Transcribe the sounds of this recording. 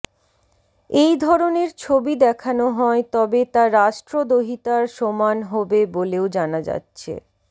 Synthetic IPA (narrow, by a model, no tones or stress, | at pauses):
ejd̪ʱɔɾoneɾt͡ɕʰobid̪ɛkʰanoɦɔet̪ɔbet̪aɾaʃʈɾod̪oɦit̪aɾʃomanɦɔbeboleod͡ʑanad͡ʑa̰tːɕʰḛ